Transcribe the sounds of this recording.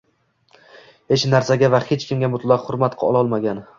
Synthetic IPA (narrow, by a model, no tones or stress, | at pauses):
het͡ʃnaɾsaɡʲavahet͡ʃkʲʰɪmɡʲamʊt̪lˠɒqhʊɾmat̪qʰɒ̰lˠɒlˠmaɡʲan